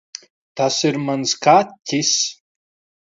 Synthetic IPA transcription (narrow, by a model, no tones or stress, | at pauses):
t̪ʰasiɾmanskʰaːttʲʰːis